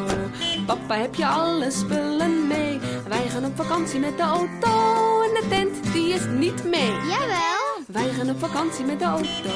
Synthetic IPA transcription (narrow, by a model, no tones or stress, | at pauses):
pɐpaɦɛpjəɐləspələnmejvɛjχɑːnopfɐkɐnsimɛt̚dəowtoəndətɛntdiəsnitmejjavɛlˠ | vɛjχɑnopfɐkɐnsimɛt̚dəowto